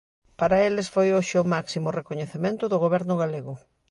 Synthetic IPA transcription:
paɾaelesfojoʃɪʊmaksimʊrekoɲeθemẽnt̪ʊðʊɣoβɛɾnʊɣaleɣʊ

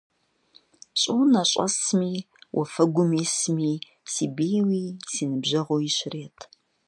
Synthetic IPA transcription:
ɕʼownaɕʼɐ̰smiː | wʔɐ̰fɐɡʷʊmiːsmiː | siːbejwiːsinɨbʑɐʁoːiɕreːtʰ

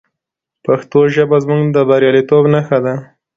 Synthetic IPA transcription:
paxt̪oʒəbazmuɡd̪əbaɾjɑlit̪obnaxad̪a

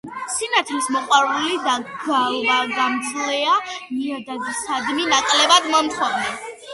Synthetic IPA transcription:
sinat̪ʰlismɔqʼwaɾulid̪aɡ̥avaɡamt̪sʰʼlɛamiad̪aɡ̪isad̪minakʼlɛbad̪mamt̪χɔvnɛ

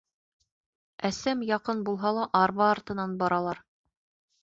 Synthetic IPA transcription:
æsæmjɑqɤnbulˠɦɑlˠɑʔɑɾβɑːɾt̪ɤ̆nɑnbɑɾɑlˠɑɾ

